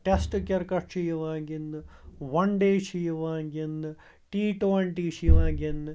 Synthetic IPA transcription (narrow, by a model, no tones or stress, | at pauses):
ʈesʈɨkːɐrkɐt͡ʃijuʋaːŋɡinːɨʋɐɳɖeːʂijuʋaːŋɡinːɨ | ʈiːʈoːɳʈiːʂijʋaːŋɡinːɨ